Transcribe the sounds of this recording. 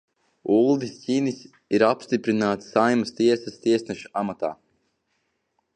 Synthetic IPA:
ulˠd̪isʲcʲiːnisʲ | iɾapst̪ipɾinaːt̪sajmast̪iɛsɐst̪iɛsnɛʃu̥amat̪a̰ː

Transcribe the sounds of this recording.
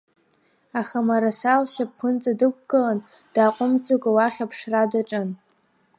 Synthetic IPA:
aχamaɾasalʃap̚pʰɨnt͡sʼadɨkʷʰɡɨlan | d̥aːqʷʼʊmt͡sʼokʼawaχʲapʰʂradaʈ͡ʂʼɨn

